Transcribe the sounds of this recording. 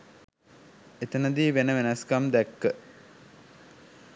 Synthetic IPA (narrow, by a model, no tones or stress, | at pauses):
et̪ənəd̪iːʋenəʋenɐskamd̪ækːə